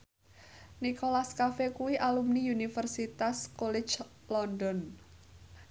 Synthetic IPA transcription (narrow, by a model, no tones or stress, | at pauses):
nikolaskafekuwiʔalumniunifərsit̪askɔlɛ̥t͡ʃ | lɔndɔn